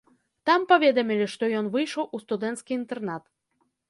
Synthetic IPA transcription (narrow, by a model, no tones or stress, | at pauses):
t̪ɑmpɐvʲed̪ɔmʲilʲiʂt̪ɔjɔnvɨjʃowʔust̪ud̪ɛnt̪skʲiint̪ɛrnat̪